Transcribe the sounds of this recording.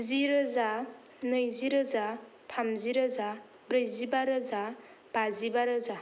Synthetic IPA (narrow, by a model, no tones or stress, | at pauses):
ziɾɯza | nɯjziɾɯza | tʰamziɾɯza | bɾɯjzibaɾɯza | b̥azibaɾɯza